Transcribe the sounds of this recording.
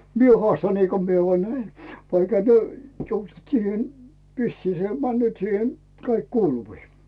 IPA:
mie hŏɑˑstɑ niːko mie ʋoɑ næi ʋɑikhɑ tyø ʋisːiː se mænːøːt siːhe kɑik kuːluʋiː

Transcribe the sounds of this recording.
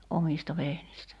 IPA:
omistɑ ʋehnistæ

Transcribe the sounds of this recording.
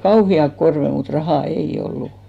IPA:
kɑuhiɑk korʋe mut rɑhɑˑ eij̆ olːu

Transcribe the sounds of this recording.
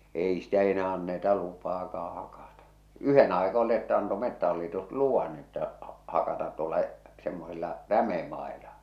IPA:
eˑi stæ enæː ɑnːetɑ lupɑːkɑː hɑkɑtɑ yhen ɑikɑ olĭ etːæ ɑnto metːæhɑlːitus luʋɑn etːæ hɑkɑtɑt tuolˑɑ semːosilːɑ ræmemɑˑelɑ

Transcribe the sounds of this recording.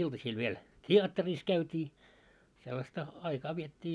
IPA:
iltɑsiːl ʋiel tʲiɑtːeris kæytʲiː selːɑstɑ ɑikɑː ʋietːiː

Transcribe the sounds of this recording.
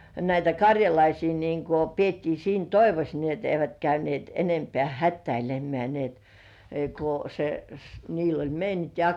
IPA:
næitæ kɑrʲjɑlɑisiː niːŋko pietːiː siːn toiʋos niː et eiʋæt kæynĭeˑt enempĕæˑ hætːæilemˑĕæˑ ni et ku se s niːl olʲ meiniŋk

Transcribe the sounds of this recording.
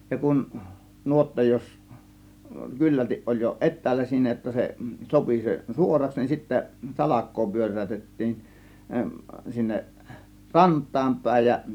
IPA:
jɑ kun nuotːɑ jos kylːæltiʔ ʔolʲ jo ʔetˑæːlːæ siːnæ jotːɑ se sopi se suorɑks nin sitːæ sɑlɑkˑoː pyørˑæˑytetːiːn sinːeʔ rɑntˑɑːm pæˑe̝j jɑ

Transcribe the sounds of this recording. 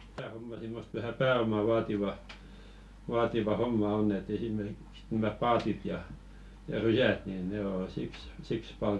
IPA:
tæː homːɑ simːost ʋæhæ pæːomɑ ʋɑːtiʋɑ ʋɑːtiʋɑ homːɑ onː et esimerkiks næmæ pɑːtit jɑ jɑ rysæt nin ne o siks siks pɑl

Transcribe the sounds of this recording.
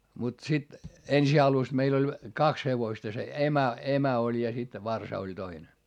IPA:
mut sit ensi ɑlus meil olʲ kɑks heʋoĭstɑ se emæ emæ olʲ jɑ sit ʋɑrsɑ olʲ toine

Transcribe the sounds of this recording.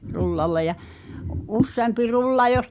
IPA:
rulːɑlːe jɑ ʔusːeɑmpi rulːɑ jos

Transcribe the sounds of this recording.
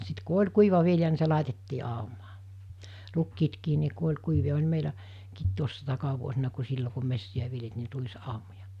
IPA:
sit ku olʲ kuiʋɑ ʋiljɑ ni se lɑˑitetːiː ɑˑumɑː rukːiːtkiː ni ku olʲ kuiʋij̆ɑ olʲ meilæ kiːt tuosːɑ tɑkɑʋuosinɑ ku silːo ku mesːiæ ʋiljeltiː ni ruisɑˑomojɑ

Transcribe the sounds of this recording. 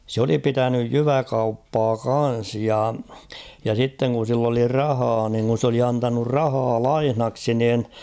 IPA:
sŭ oli pitænyj jyʋækɑupːɑː kɑn̞s jɑ jɑ sitːeŋ kun̞ silː oli rɑhɑː niŋ kun̞ s oli ɑntɑnur rɑhɑː lɑihnɑksi niːn

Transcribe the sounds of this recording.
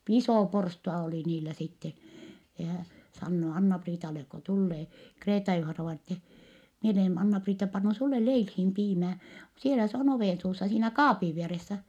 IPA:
isoˑ porstuɑ oliˑ niːlæ sitːen̞ jɑ hæ sɑnːoː ɑnːɑpriːtɑlek ko tulːeː kreːtɑjuhɑnɑʋɑinɑ etːɛ mie olen ɑnːɑpriːtːɑ pɑnːu sulːe leilhiːm piːmæː sielæ se on oʋeˑnsuːsːɑ siːnæ kɑːpiʋ ʋieresːæ

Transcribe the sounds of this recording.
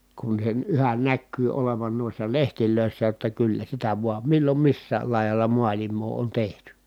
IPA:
kun sen yhæn nækːyː oleʋɑn nuisːɑ lehtiløˑisːæ jotːɑ kylːæ sitæ ʋuɑm milːom misːæːl lɑˑi̯jɑlːɑ muɑlimˑoː on tehty

